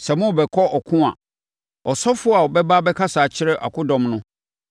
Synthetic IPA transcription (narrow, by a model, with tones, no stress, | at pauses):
sɛ˨mʊ̃˦˨bɛ˨kʰɔ˦ɔ˨kʰʊ̃˦a̰˨ | ɔ˨sɔ˦fʊ˦a˨wɔ˨bɛ˦ba˦bɛ˦kʰa˦saː˨t͡ɕʰɪ˦ɾɛ˦ʔa̰˨kʰʊ˦dɔ̃˨mnʊ̃˦